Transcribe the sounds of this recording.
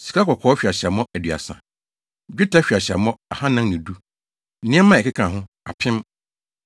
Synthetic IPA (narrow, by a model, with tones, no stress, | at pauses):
si̥˨kʰa˦kʰɔ˨kʰɔː˦ɕᶣi˨a˨ɕɛ˨mɔ̃˦æ˨dɥa̰˨sã̰˨ | d͡ʑᶣu˦tʰa˦ɕᶣɥa˨ɕɛ̰˨mɔ̃˦a˨hã˦nã˦ŋnĩ˨du˦ | nɪ̃˦ɛ˦mã˦˨ɛ˨kʰɪ˦kʰã˨ɦʊ̃˦ | a̰˨pʰɪ̃˦m